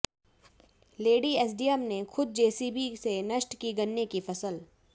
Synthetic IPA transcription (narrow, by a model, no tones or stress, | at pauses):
leːɖieːs̬ɖijəmnexʰʊd̪̚d͡ʒeːsibʱisenɐʃʈkiɡɐnːekifɐsəl